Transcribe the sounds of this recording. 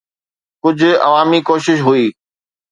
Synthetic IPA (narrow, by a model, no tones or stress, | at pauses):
kʊd͡ʑʱʊ̆ɐ̰ʋaːmikoːʃɪʃ̬ɦuiː